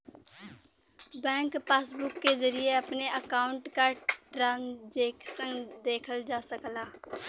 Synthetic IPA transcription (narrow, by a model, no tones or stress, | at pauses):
bɛ̃ːŋkpaːsbʊkːezəɾijeɐpneəkaːʊ̃ɳʈkaʈɾaːnd͡ʒeːksə̃ŋɡd̪eːkʰəld͡ʒaːsəklaː